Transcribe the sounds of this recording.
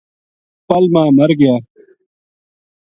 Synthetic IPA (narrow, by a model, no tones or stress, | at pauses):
pɐlmãːmɐɾɡɪjaː